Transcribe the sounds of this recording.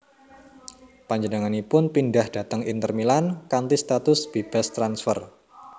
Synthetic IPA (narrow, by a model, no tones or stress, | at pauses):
paɲd͡ʒənaŋanipʊnpindahd̥a̤t̪əŋint̪ərmilankant̪ist̪at̪ʊsb̥eb̥a̤st̪ɾansfər